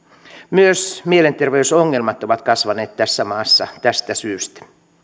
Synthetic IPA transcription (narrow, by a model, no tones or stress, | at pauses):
myøsmiele̞nt̪erʋeysoŋːe̞lmɑt̪o̞ʋɑt̪kɑsʋɑne̞ːt̪t̪æsːæmɑːsːɑt̪æst̪æsyːst̪æ̥